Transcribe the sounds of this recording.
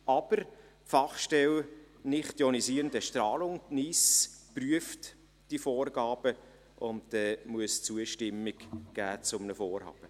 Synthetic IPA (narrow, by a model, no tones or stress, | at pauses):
ʔɑb̥əɾ | fɑχʃtɛl | nɪχtdɛɔnisiːɾəndəʃtrɑːlʊŋnispryəft | d̥ifoːrɡ̥ɑːb̥ə | ʔʊnddɛmuəst͡suəʃtɪmːɪɡ̥ɡ̥æːt͡sʊmnəfoːɾhɑ̰ːb̥ə